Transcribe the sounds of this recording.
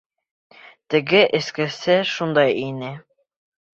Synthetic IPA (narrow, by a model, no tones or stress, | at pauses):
t̪ɘ̆ɡɘʔɘ̆skɘsɘʃund̪ɑjinɘ